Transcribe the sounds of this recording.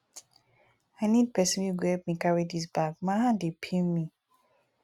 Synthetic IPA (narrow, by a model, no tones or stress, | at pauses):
aɪnid̚pʰɛsɔ̃njuɡɛp̚mĩkaɹidis̬bakmãhãdepʰimi